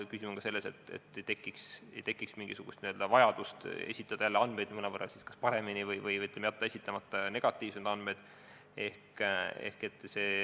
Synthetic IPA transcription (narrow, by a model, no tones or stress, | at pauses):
kysimoŋɡ̥kɑse̞lːe̞se̞t̪ːˑḛt̪ːt̪ːekːˑikst̪ekˑːiksmiŋɡ̥isuɡ̥ust̪niø̞ld̪̥ɑvɑjɑd̪̥ust̪e̞̰sʲit̪ːˑɑd̪̥ɑjælːeɑnd̪me̞jd̪̥mɤnɑpɤrɑ̰siskɑspɑɾe̞minivɤjvɤjɤt̪lemejɑt̪ːˑɑe̞sʲit̪ːˑɑmɑt̪ːˑɑne̞ɡ̥ɑt̪ːˑiːv̥semd̪ɑn̥mejd̪̥ | e̞hke̞hke̞t̪ːˑseː